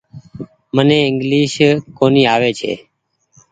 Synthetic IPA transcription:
məneːɪ̃ŋɡliːʃkoːniːaːʋeːt͡ʃʰḛː

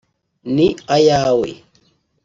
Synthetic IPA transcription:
niajaːwḛ

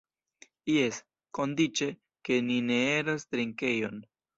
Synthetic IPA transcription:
jes | ko̞ndit͡ʃe̞ | ke̞nine̞eɾost̪ɾiŋke̞jo̞n

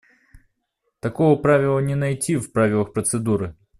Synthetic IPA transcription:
t̪ɐkovəpɾavʲɪlˠənʲɪnɐjtʲifpɾavʲɪlˠəxpɾət̪sɨd̪uɾɨ

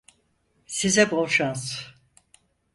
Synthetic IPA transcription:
sizɛboʃanz

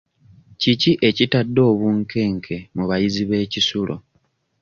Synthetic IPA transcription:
ciciʔe̞citadːo̞ːβuːŋkʰe̞ːŋkʰe̞muβajiziβe̞ːcisulʔo̞̰

